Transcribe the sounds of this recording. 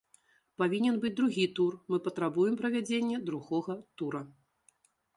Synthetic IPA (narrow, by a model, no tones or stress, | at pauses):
pavʲinʲɛnbɨd͡zʲd̪ɾuɣʲit̪urmɨpɐt̪ɾabujɛmpɾɐvʲad͡zʲenʲːɛd̪ɾuɣɔɣɐt̪uɾɐ